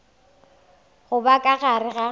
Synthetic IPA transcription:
ɣʊbakʼaɣaɾɪɣa

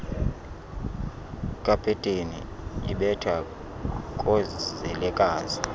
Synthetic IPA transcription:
kʼapʰɛtʼenḭ | ḭɓɛtʰa | kʼɔzɛlɛkʼaːzi

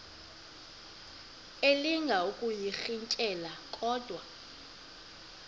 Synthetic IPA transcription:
eliŋɡʱaukʼujixiɲcʼɛlakʼɔːd̥ʱwa

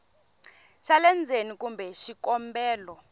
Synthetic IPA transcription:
ʃalɛnd͡zʱenik̬ʼumbʱɛʃikɔmbɛːlɔ

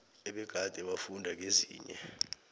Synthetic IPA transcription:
ɛɓɛɡ̥ʱad̥ʱɛɓafundʱak̬eziːɲɛ̰

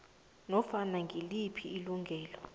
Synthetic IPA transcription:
nɔfanaŋʱilipʰiːluŋɡʱɛːlɔ

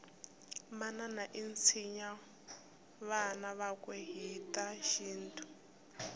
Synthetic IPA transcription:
mananaʔint͡sʰiɲa | βanaβakweɦitʼaʃiːntʰu̥

